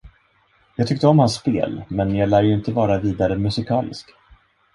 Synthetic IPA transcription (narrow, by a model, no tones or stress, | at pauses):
jɑːɡt̪ʰʏkt̪əɔmhansːpḛːlmɛnjɑɡlæːɾjɪnt̪əvɑːɾaviːd̪aɾəmɵsɪkʰɑːlɪ̰sk